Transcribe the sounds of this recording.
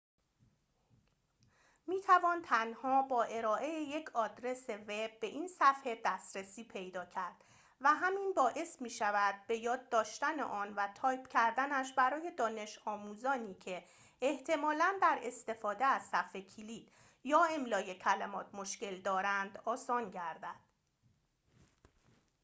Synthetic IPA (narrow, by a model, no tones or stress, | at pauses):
miːt̪ʰævɒːnt̪ʰænhɒːbɒːʔe̞ɾɒːʔe̞jeje̞cʰɒːd̪ɾe̞se̞ve̞b̚ːe̞ʔinsæfhe̞d̪æːst̪ɾesiːpʰe̞jd̪ɒːcʰæɾd̪̥ | væɦæminbɒːʔe̞smiːʃævæd̪̚be̞jɒːd̪ːɒːʃt̪ænḛʔɒːnvæt̪ʰɒːjpʰcʰæɾd̪ænæʃ̬bæɾɒːje̞d̪ɒːne̞ʃɒːmuːzɒːniːcʰe̞ː | ht̪ʰe̞mɒːlænd̪æɾe̞st̪e̞fɒːd̪eæzsæfhecʰiliːd̪̥ | jɒːemlɒːje̞cʰælemɒːt̪ʰmo̞ʃce̞ld̪ɒːɾænd̪ɒːsɒːnɟæɾd̪æd̪̥